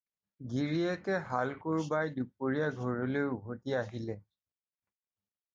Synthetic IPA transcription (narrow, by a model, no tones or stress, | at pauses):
ɡiɹiɛkɛɦalkuɹbajdupoɹijaɡʱɔɹɔlouɦotiaɦilɛ